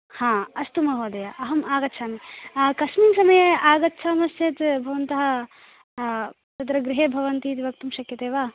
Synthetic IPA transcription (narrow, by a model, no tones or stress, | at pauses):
hãːɐst̪umɐɦoːd̪ɐjaʔɐɦɐmaːɡɐt̪ːʃʰaːmikɐʃmiŋsɐmɐjɐaːɡɐt̪ːʃʰaːmɐsjeːt̪bʱɐʋɐnt̪ɐɦɐ | t̪ɐd̪ɾɐɡɾiɦeːbʱɐʋɐnt̪iːt̪iʋɐk̚t̪umʃɐkjɐt̪eːʋaː